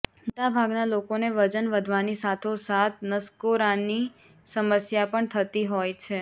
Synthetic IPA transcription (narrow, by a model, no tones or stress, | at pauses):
it̪abʱaɡnalokoneʋəd͡ʒənʋəd̪ʱʋanisat̪ʰosat̪ʰnəskoɾani | səməsjapəɳt̪ʰət̪iɦojt͡ʃʰe